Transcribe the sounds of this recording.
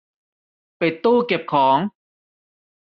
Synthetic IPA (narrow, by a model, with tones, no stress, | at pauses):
pa˨˩jt̪uː˥˩ke˨˩p̚kʰɔː˩˦ŋ